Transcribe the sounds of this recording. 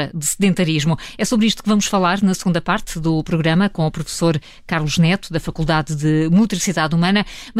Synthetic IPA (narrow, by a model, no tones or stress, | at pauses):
ɐd̪ɨsɨðẽnt̪ɐɾiʒmuɛsoβɾiʃt̪u̥kvɐmuʃfɐlˠaɾnɐsɨɣũnd̪ɐpaɾt̪ðupɾuɣɾɐmɐkõupɾufsoɾ | kaɾlˠuʒnɛt̪uðɐfɐkulˠd̪aððɨmut̪ɾisiðaðumɐnɐm